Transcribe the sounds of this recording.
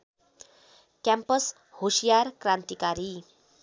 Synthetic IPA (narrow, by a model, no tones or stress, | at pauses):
kjampəs | hosijaɾkɾant̪ikaɾi